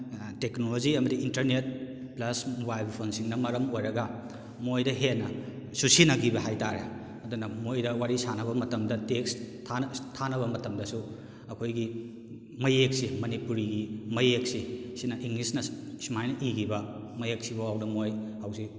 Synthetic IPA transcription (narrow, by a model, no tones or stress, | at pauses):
teknolod͡ʒiɐmɐdiintɐɾnet̚ | plɐsmubajbpʰonsiŋnɐmɐɾɐmojɾɐɡɐ | mojdɐɦenːɐ | susinɐɡibɐɦajtaɾḛ | ɐdunɐmojdɐwaɾisanɐβɐmɐtɐmdɐtekstʰanstʰanɐβɐmɐtɐmdɐsu | ɐkʰojɡi | mɐjek̚simɐnipuɾiɡimɐjek̚sisinɐʔiŋlisnɐsimajnɐʔiɡibɐ | mɐjek̚sibɐwawnɐmoj | awsi